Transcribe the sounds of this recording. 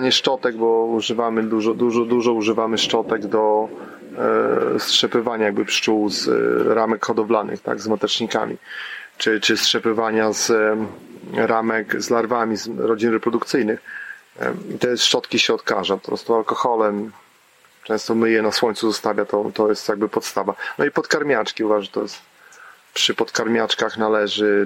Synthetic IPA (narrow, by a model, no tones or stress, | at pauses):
aɲɛʂt͡ʂɔt̪ɛɡ̚bɔuʐɘvamɘd̪uʐɔd̪uʐɔd̪uʐɔuʐɘvamɘʂt͡ʂɔt̪ɛɡd̪ɔ | stʂɛpɘvaɲajaɡ̚bɘpʂt͡ʂuwzɾamɛkxɔd̪ɔvlanɘ̰xt̪a̰ɡzmat̪ɛt͡ʂɲika̰mʲḭt͡ʂɘt͡ʂɘstʂɛpɘvaɲaz̥ | ɾamɛkzlaɾvamʲizɾɔd͡ʑinɾɛpɾɔd̪ukt̪sɘjnɘx | it̪ɛʂʂɔt̪kʲiɕɛɔt̪kaʐapɔ̥pɾɔ̰st̪ualkɔxɔlɛm | t͡ʂɛ̃w̃st̪ɔmɘjɛnaswɔɲt̪suzɔst̪avʲjat̪ɔt̪ɔjɛst̪jaɡ̚bɘpɔt̪st̪avanɔipɔt̪kaɾmʲjat͡ʂkʲiuvaʐt̪ɔjɛst̪ | pʂɘpɔt̪kaɾmʲat͡ʂkaxnalɛʐɘ